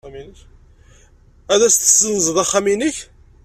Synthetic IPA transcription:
minə | æðæst̪ə̥sːənzˤəðˤæχːæminəç

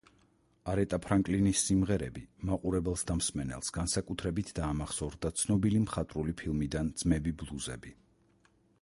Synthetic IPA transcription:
aɾɛt̪ʼapʰɾaŋkʼlinisːimʁɛɾɛbimaqʼuɾɛbɛlˠsd̪amsmɛnɛ̰lˠsɡ̥ansakʼut̪ʰɾɛbit̪ʰd̪aːmaχsɔɾd̪at̪sʰnɔbilimχat̪ʼɾulipʰilˠmid̪and̪z̥mɛbiblˠuzɛbi

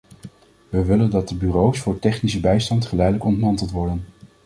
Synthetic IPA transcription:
ʋəʋɪləndɑt̚dəbyːrowsfʊːɹtɛχnisəbɛjstɑntχəlɛjdələkɔntmɑntəlˠtʋɔɹdən

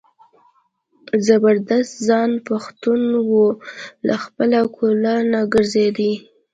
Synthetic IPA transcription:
zabəɾd̪ast̪zɑnpaxt̪unwolaxpəlakʰolanaɡəɾzed̪i

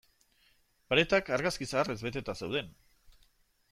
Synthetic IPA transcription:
paɾet̪akaɾɣaskisaːrezβe̞t̪e̞t̪asewðe̞n

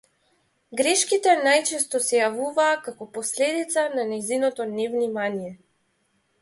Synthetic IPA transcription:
ɡɾɛʃkit̪ɛnajt͡ʃɛst̪ɔsɛjavuvaːkakɔpɔslɛd̪it̪sananɛzinɔt̪ɔnɛvnimanijɛ

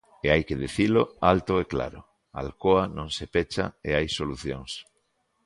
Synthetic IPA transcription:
eajkeðiθiloalt̪oekla̰ɾo̰ | a̰lkoanõŋsepet͡ʃa̰eajsoluθjoŋs

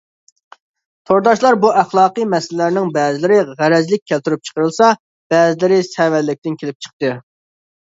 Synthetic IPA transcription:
t̪ʰoɾd̪ɑʃlˠɑɾbuʔæχlˠɑːqɨmɛsllæɾnɪŋbɛːzɪlɪɾɪʁæɾɛzlɪk̚ʲʰːælt̪yɾup̚t͡ʃʰə̥qəɾɨlˠsɑ | b̥ɛːzɪlɪɾɪsɛwɛlːɪk̚ʲt̪ɪnkʲʰelɪp̚t͡ʃʰə̥q̚t̪ɨ

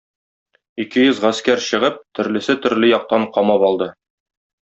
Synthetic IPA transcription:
ikɘjɵzʁæskæɾɕɤ̆ʁɤp̚t̪ɵ̆ɾlɘ̆sɘt̪ɵ̆ɾlɘjɒq̚t̪ɑɴqɒmɑpɒlˠd̪ɤ

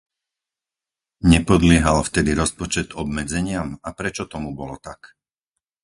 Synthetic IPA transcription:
ɲɛpɔd̪lɪɛɦalft̪ɛd̪iɾɔspɔt͡ʃɛd̪ɔb̚mɛd͡zɛɲɪamapɾɛt͡ʃɔt̪ɔmubɔlɔt̪ak

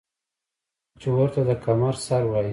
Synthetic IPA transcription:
t͡ʃewəɾt̪ad̪əkʰamaɾsaɾwaji

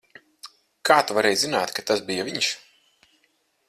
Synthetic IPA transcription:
kʰaːt̪uvaɾɛjzinaːt̪kat̪asbijaviɲʃ

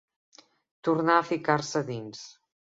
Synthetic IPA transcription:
t̪uɾnaəfikaɾsəðins

